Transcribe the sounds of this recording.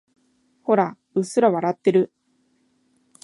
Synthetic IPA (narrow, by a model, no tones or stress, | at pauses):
ho̞ɾa | ɯ̟sɨɾaβaɾat̪ːe̞ɾɯ̟